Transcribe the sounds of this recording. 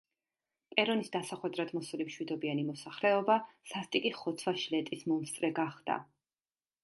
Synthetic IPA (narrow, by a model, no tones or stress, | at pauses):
pʼɛɾɔnisd̪asaχwɛd̪ɾad̪mɔsulimʃwid̪ɔbianimɔsaχlɛɔbasast̪ʼikʼiχɔt̪sʰwaʃlɛt̪ʼismɔmst̪ʼɾɛɡaχd̪̥a̰